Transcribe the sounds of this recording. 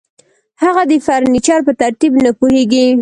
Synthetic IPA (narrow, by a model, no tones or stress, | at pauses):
haɣad̪əfaɾnit͡ʃɑɾpət̪aɾt̪ibnapuheɡi